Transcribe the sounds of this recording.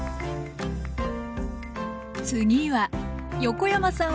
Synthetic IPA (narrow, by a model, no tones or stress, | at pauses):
t͡sɨɲiβajo̞ko̞jamasã